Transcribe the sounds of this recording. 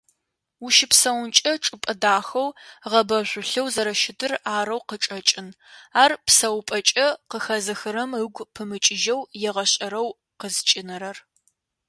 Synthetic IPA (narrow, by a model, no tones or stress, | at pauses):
uʃɪpsɐwʊnt͡ʃʼɐʈ͡ʂʼɨpʼɐdaːxɐwʁɐbɐʒʷʊɬɐwzɐɾɐʃɪdɨraːɾɐwqəʈ͡ʂʼɐt͡ʃʼɪn | aːrpsɐwpʼɐt͡ʃʼɐqəxɐzɨxɨɾɐmɨɡʷpʰɨmɨt͡ʃʼɪʒɐwjɛʁɐɕʼɐɾɐw | qəzt͡ʃʼɪnɨɾɐr